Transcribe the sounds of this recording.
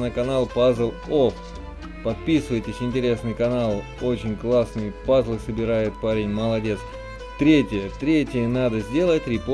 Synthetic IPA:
nəkɐnalˠpazlˠo | pɐt̪̚pʲisɨvəjtʲɪsʲɪnʲtʲɪɾʲe̞snɨjkɐnalˠ | ot͡ɕɪnʲklˠasnɨjpazlˠɨsəbʲɪɾajʊt̪̚paɾʲɪnʲməlˠɐdʲe̞t̪s | t̪ɾʲetʲɪjət̪ɾʲetʲɪjənad̪əzʲdʲe̞lˠətʲɾʲɪp

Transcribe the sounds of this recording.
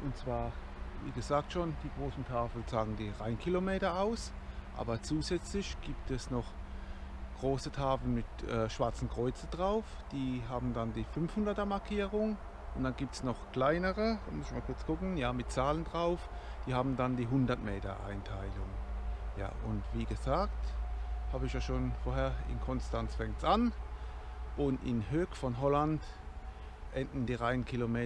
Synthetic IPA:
ʔʊntt͡sv̥aːɐ | vḭːɡəzaːk̚tʃoːnd̥iːɡ̥ʁoːsn̩tʰaːfl̩t͡saːɡŋ̩n̩diːʁaɪnkʰilomeːtɐʔaʊs | ʔa̰ːbɐt͡suːzɛt͡slɪçɡ̥iːptɛsnɔχ | ɡ̥ʁoːsətʰaːfl̩nmɪtʔɛːʃv̥aɐt͡sn̩kʁ̥ɔʏt͡sndʁaʊf | d̥iːɦaːbm̩dandiːfʏnfhʊndɐtɐmaɐkʰiːʁʊŋ | ʔʊntd̥anɡiːp̚tsnɔχkl̥aɪnəʁə̥mʊsɪçmalkʰʊɐt͡sɡ̥ʊkn̩jaːmɪt̚t͡saːləndʁaʊf | d̥iːhaːbm̩dandiːɦʊndɐtmeːtɐ̰ʔa̰ɪntʰaɪlʊŋja̰ːʔʊntv̥iːɡəzaːkthaːbəɪçjaːʃoːnfoːɐɦeːɐɪ̰nkʰɔnstant͡sfɛŋk̚tsʔan | ʔʊntɪ̰nhøːkfɔnɦɔland | ʔɛndn̩diːʁaɪnənkʰilomeː

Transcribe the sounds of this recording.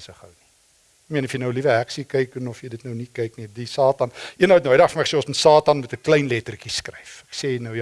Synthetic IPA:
səχə̰wni | kmiənɔfjənəwlivəæksikɛjkənɔfjəjdətnəwnikɛjknidisɑːtɐnʔiənəwətnəwəjdɐχfəməəseːɔ̃smətsɑːtɐnmɛtəklɛjnlɛtərkiskrɛjfɛkseːnəwj

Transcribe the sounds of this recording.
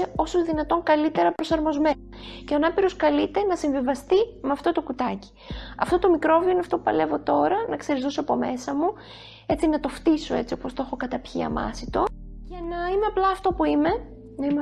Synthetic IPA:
eo̞so̞zðinɐt̪o̞ŋkɐlit̪e̞ɾɐpɾo̞sɐɾmo̞zmenɐceonɐpiɾo̞skɐlit̪e̞nɐsiɱvivɐst̪imeɐft̪o̞t̪o̞kut̪ɐci̥ | ɐft̪o̞t̪o̞mikɾo̞viineɐft̪o̞pupɐ̰le̞vo̞t̪o̞ɾɐnɐkse̞ɾizðosoɐpo̞me̞sɐmu | e̞t͡sinɐt̪o̞ft̪iso̞e̞t͡sio̞po̞st̪o̞xo̞kɐt̪ɐpçḭɐ̰mɐ̰sit̪o̞ce̞nɐime̞ɐplɐːft̪o̞puime̞ | nɐime

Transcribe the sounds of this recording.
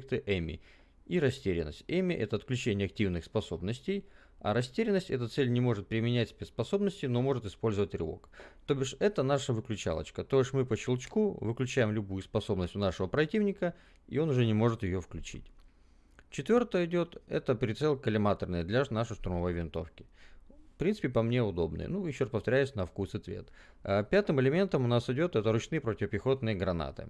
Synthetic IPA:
k̚t̪ɨʔɛmʲɪ̰ | iɾɐsʲtʲeɾʲɪ̰nːə̰sʲtʲɛmʲɪʔɛt̪əɐt̪klʲʉt͡ɕenʲɪjəɐk̚tʲivnɨxspɐso̞bnəsʲtʲej | a̰ɾɐsʲtʲeɾʲɪnːəsʲtʲɛt̪ət̪sɛlʲnʲɪmo̞ʐɨt̪̚pɾʲɪmʲɪnʲætʲspʲet̪spɐso̞bnəsʲtʲɪno̞mo̞ʐɨt̪ɨspo̞lʲzəvətʲrʲɪ̰lˠo̞̰kt̪obʲɪʂɛt̪ənaʂəvɨklʲʉt͡ɕa̰lˠə̰t͡ɕkət̪oɪʂmɨpət͡ɕɪlˠt͡ɕkuvɨklʲʉt͡ɕæjɪmlʲʊbujʊspɐso̞bnəsʲtʲnaʂɨvəpɾɐtʲivnʲɪkə | ḭo̞nʊʐɛnʲɪmo̞ʐɨt̪jɪjofklʲʉt͡ɕḭtʲ | t͡ɕɪt̪vʲo̞rt̪əjəɪdʲo̞t̪ɛ̰t̪əpɾʲɪt̪sɛlʲˠkəlʲɪmat̪ərnɨjd̪lʲanaʂɨʂt̪ʊɾʊmɐvo̞jvʲɪnt̪o̞fkʲɪfpɾʲinsɨ̥pʲɪpɐmnʲe̞ʊd̪o̞bnɨ̰jə̰nujɪɕːoraspəft̪ɐɾʲæjʊsʲnəfkusɨt̪vʲḛt̪apʲat̪ɨmɪlʲɪmʲe̞nt̪əmʊnasɪdʲo̞t̪ɛt̪əɾʊt͡ɕnɨjəpɾotʲɪvəpʲɪxo̞t̪nɨjəɡɾɐna̰t̪ɨ̰

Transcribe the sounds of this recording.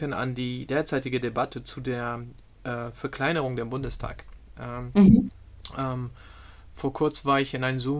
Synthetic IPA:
əna̰ndiːdeːɐt͡saɪtɪɡədebatʰət͡sudeːɐ | ʔɛːfɛɐkʰl̥aɪnəʁ̞ʊŋdeːɐbʊndəstʰa̰ːkʔɛ | ʔɛm | foːɐkʰʊɐt͡smvaːɐɪçɪnaɪnzu

